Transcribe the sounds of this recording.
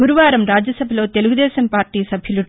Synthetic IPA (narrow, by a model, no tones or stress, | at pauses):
uɾuʋaːɾɐmɾaːd͡ʒjɐsɐbʱɐlo̞ːt̪e̞luɡud̪ɛːʃɐmpaːɾʈːiːsɐbʱjɐlu